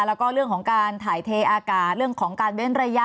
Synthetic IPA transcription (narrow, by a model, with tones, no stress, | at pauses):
lɛ˦˥wkɔː˥˩ɾɯ˥˩əŋkʰɔː˩˦ŋkaː˧nt̪ʰaː˨˩jt̪ʰeː˧ʔaː˧kaː˨˩t̪̚ɾɯ˥˩əŋkʰɔː˩˦ŋkaː˧nwe˦˥nɾa˧ja˦˧